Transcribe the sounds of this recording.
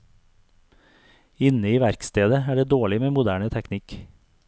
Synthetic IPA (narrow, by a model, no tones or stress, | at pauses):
ɪnəiːʋæɾkst̪eːd̪əæːɖeːd̪oːɭɪmeːmʊd̪æːɳət̪ʰɛknɪk